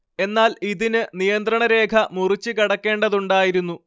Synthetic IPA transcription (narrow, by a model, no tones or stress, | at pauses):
e̞nːaːliðinɨnijɐnd̪ɾɐɳɐɾe̞ːkʰɐmurit͡ɕːɨkɐɽɐkːe̞ːɳɖɐðuɳɖaːjiɾunːu